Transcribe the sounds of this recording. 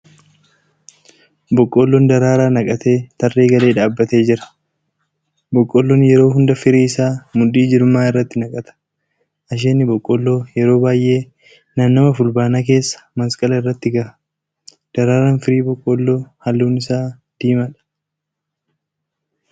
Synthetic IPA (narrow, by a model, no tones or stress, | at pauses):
bɔkʼːolːɔnd̪ɐɾaːɾaːnɐkʼɐt̪e̞ːt̪ɐrːe̞ːɡɐle̞ːᶑaːbːɐt̪e̞ːd͡ʒɪɾɐ̥ | bɔkʼːɔlːɔnjɛɾo̞ːɦʊnd̪ɐfɪɾiːɪsaːmʊᶑiːd͡ʒɪɾʊmːaːɪrːɐt̪ːɪnɐkʼɐt̪ɐ̥ | ʔɐʃ̬eːnːɪbɔkʼːɔlːo̞ːjɛɾo̞ːbaːjʔe̞ː | nanːɔmɐfʊlbaːnaːk̬e̞ːsːɐ̥mɐskʼɐlɐɪrːɐt̪ːɪɡɐɾɐ̥ | d̪̥ɐɾaːɾaːnfɪɾiːbɔkʼːoːlːo̞ːhɐlːuːnɪsaː | d̪̥iːmɐᶑɐ̥